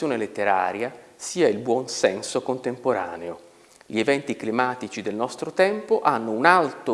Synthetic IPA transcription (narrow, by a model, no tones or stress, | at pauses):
joːnelet̪ːeɾa̰ːɾjasiːailbwɔnsɛnsokont̪empoɾa̰ːneo | ʎievɛnt̪iklimaːt̪it͡ʃid̪elnɔst̪ɾot̪ɛmpoʔanːounalt̪o